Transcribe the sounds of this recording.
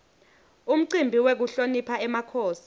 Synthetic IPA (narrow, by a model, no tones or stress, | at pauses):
um̩ǀimbʱiwek̬uɬonipʰaɛmakʰoːsi̥